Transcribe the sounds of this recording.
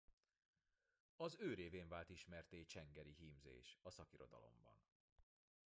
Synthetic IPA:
ɒzøːɾeːveːɱvaːlt̪iʃmɛrt̪eːt͡ʃɛŋɡɛɾiɦimzḛːʃɒsɒkiɾo̞d̪ɒ̰lo̞̰mbɒ̰n

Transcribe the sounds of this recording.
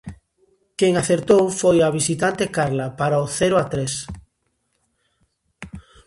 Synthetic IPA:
keŋaθeɾt̪owfojaβ̞isit̪ant̪ekaɾlapaɾaoθeɾʊat̪ɾes

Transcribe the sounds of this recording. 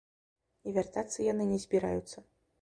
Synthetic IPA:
ivʲart̪at̪sɨjanɨnʲɛzʲbʲiɾa̰jut̪sːɐ

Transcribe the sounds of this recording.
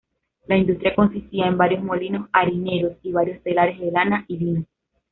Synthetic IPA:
laind̪ust̪ɾjako̞nsist̪iaembaɾjo̞smo̞lino̞saɾine̞ɾo̞siβaɾjo̞st̪elaɾe̞zðelanaʔilino

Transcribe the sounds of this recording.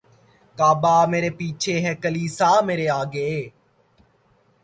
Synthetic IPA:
kaːbaːmeːɾeːpiːt͡ʃʰeɦɛːkəliːsaːmeːɾeːaːɡeeː

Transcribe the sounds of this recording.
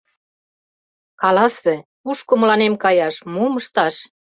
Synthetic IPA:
kɑlɑse | uʃkomə̆lɑnemkɑjɑʃmuməʃt̪ɑʃ

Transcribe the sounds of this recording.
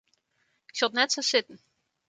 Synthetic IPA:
ɪksolˠtnɛtsosɪtən̩

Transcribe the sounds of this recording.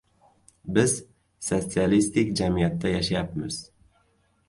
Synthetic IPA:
bɪz | sot̪sialist̪ɪkʲd͡ʒamijat̪ːajaʃajapmɪz̥

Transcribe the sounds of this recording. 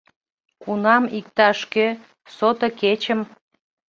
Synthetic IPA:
kunɑmik̚t̪ɑʃkø | sot̪əket͡ɕəm

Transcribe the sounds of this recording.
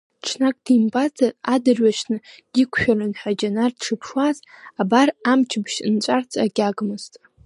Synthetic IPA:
ʈ͡ʂʰnakʼdimbat͡sʼaadɨrɥaʃnɨ | d̥ikʷʰʃᶣalɨnħad͡ʒanarʈ͡ʂʰɨpʰʂwazabaramt͡ʃʰɪbʃnt͡ʃʷʼart͡sʰʼaɡʲaɡmɨztʼ

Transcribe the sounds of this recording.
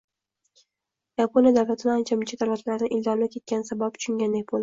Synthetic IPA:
japonjad̪awlat̪ʰɪnɪant͡ʃʰamɪt͡ʃʰad̪awlat̪ʰlaɾnɪʔɪlzɒmlap̚kʲʰe̞t̪̚kʲansabap̚t͡ʃʰʊ̥ʃʊŋɡʲand̪ak̚ʲbolˠd̪ɪ̥

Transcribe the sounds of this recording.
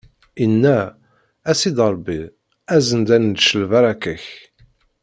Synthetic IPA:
inːæ | æsid̪əɾˤbi | æzənd̪ænd̪ʃəlvæɾˤækəç

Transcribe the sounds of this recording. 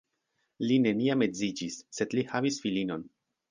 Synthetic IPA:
line̞niame̞d͡zid͡ʒisːe̞dlihavisfilino̞n

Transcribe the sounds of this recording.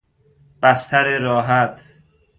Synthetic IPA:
b̥æst̪ʰæɾeɾɒːɦæt̪ʰ

